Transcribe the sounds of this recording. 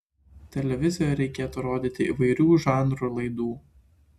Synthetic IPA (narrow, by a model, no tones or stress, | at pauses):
t̪ʲɛlʲɛʋʲɪzʲɪjojɾʲɛɪkʲeːt̪uɾoːd̪ʲiːt̪ʲɪḭːʋɐɪɾʲuːʒɑˑnɾuːlˠɐɪd̪uː